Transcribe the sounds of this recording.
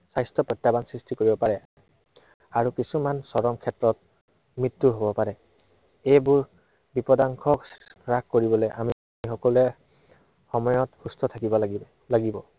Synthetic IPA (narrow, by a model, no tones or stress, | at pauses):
sajstɔpɹɔtːjabansɹistikoɹibɔpaɹɛ | aɹukisumansɔɹɔmkʰɛtɹɔt̚ | mɹitːuɦobɔpaɹɛ | ejbuɹ | bipɔdaŋkʰɔkɹakkoɹibɔlojʔa̰mi | ixɔkɔlɛ | xɔmɔjɔtxustʰɔtʰakibɔ | laɡibɔ